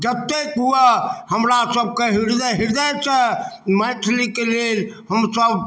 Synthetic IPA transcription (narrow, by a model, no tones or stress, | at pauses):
d͡ʒət̪ekɦuehəmɾasəb̚keɦiɾd̪əɦiɾd̪at͡ʃʰɛmət̪ʰlikelelɦəmsəb